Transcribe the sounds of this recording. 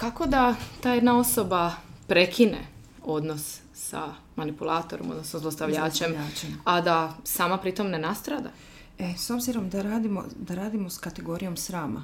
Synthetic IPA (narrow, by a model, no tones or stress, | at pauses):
kako̞d̪at̪aːjed̪nao̞sobapɾe̞kʰinḛ | o̞d̪no̞s | sa̰ | manipulˠaːt̪oɾomo̞d̪nosnozlˠost̪aʋʎaːt͡ʃemad̪asaːmapɾit̪o̞mne̞nast̪ɾad̪a̰ | eso̞bziɾo̞md̪aɾaːd̪imo̰d̪aɾaːd̪imoskat̪eɡo̞ɾijo̞msɾaːma̰